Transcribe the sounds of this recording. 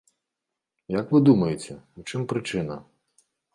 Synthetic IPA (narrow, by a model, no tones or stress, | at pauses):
jɐkvɨd̪umɐjet͡sʲɛwt͡ʂɪmpɾɨt͡ʂɪnɐ̰